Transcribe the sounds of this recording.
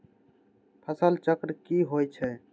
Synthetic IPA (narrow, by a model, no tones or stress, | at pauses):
pʰəsəlt͡ʃəkɾkiɦojt͡ʃʰɛ